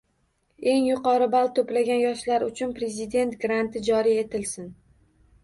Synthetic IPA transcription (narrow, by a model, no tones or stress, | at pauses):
e̞ŋjʊqɒɾɪbalˠt̪ʰoplaɡʲanjɒʃlaɾʊt͡ʃʰʊnpɾe̞zɪd̪e̞nt̪ɡɾant̪ɪd͡ʒɒɾie̞t̪ɪlsɪn